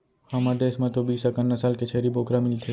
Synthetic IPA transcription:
hɐmad̪eːsmãt̪obiːsɐkənːasaːlket͡ʃʰeːɾiboːkɾamɪlt̪ʰe

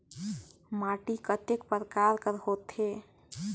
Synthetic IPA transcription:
maʈikət̪ekpəɾkaɾkəɾhot̪ɦe

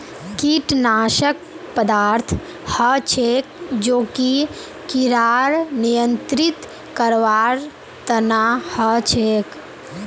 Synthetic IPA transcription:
kiʈnaːʃək̚ | pəd̪aːɾt̪ʰ | hət͡ʃʰek̚d͡ʒoːki | kiɾaːɾnijənt̪ɾit̪ | kəɾʋaɾ | t̪ənahət͡ʃʰek

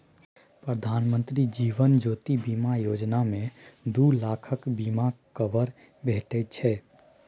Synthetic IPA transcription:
pɾəd̪ʱanmə̃nt̪ɾid͡ʒiʋənd͡ʒoːt̪ibimajod͡ʒnamẽd̪ulakʰəkbimakəbəɾ | bʱeʈɛt̪̚t͡ʃʰɛ

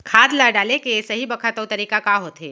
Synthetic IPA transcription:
kʰaːd̪ləɖaːlekesɐɦibɐkʰat̪əwt̪ɐɾiːkakaɦoːt̪ɦeː

